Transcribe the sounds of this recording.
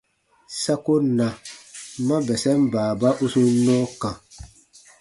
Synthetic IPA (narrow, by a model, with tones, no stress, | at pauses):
sa˦ko˦na˨ | ma˦bɛ˨sɛ˦m˦baː˨ba˦ʔu˦su˦nɔ˦kã˨